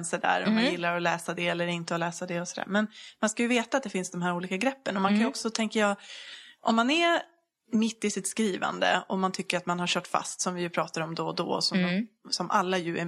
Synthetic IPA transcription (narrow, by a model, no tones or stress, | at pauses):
nsədæ̰ːɾɔmanjɪlːaɾɔlɛːsad̪ɛɛlːəɾɪnt̪əɔlɛːsad̪ɛɔsɔd̪æ̰ːɾmɛnmanskajɵveːt̪at̪̚d̪ɛfɪnsd̪ɔmɦæːɾuːliːkaɡɾɛpːənɔmankʰanjɔksɔt̪ʰɛŋkajɑːʔɔmːanɛ | mɪt̪ːɪsɪt̪skɾiːva̰nd̪ə̰ɔmant̪ʰʏkːəɾat̪manhaɾɕœːʈfa̰st̪sɔmvɪjɵpʰɾɑːt̪aɾɔmd̪ɔd̪ɔ̰ːsɔmsɔmʔa̰lːajɵɛ